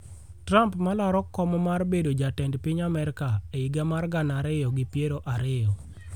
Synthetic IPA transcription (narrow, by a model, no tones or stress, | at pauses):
tɾampmalɔɾɔkːɔmɔmarbedod͡ʒatɛndpɪɲamɛɾɪkaeiɡɛmarɡanaɾɪjɔɡɪpjeɾoʔaɾɪjɔ